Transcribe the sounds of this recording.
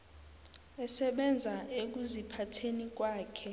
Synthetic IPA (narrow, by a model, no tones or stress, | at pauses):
ɛsɛɓɛnd͡zʱaek̬uzipʰatʰenik̬waːkʰɛ